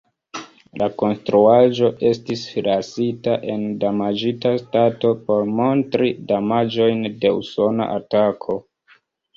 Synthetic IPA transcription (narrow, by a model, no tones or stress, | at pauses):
lako̞nstɾuaʒo̞ʔe̞stisfilasitaʔe̞ndamad͡ʒitastato̞po̞ɾmo̞ntɾidamad͡ʒo̞jnde̞ṵso̞na̰ʔatakʰo̞